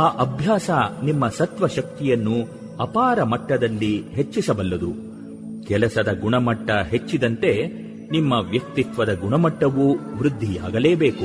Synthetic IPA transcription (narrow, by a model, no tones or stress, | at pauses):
aːʔɐbʱjaːsɐnimːɐsɐt̪ʋɐʃɐk̚t̪ijɐnːu | ɐpaːɾɐmɐʈːɐd̪ɐlːiɦe̞t͡ʃːisɐbɐlːɐd̪u | kɛlɐsɐd̪ɐɡuɳɐmɐʈːɐɦe̞t͡ʃːid̪ɐnt̪e̞ | nimːɐʋjɐk̚t̪it̪ʋɐd̪ɐɡuɳɐmɐʈːɐʋuʋɾud̪ʱːija̰ːɡɐleːbe̞ːku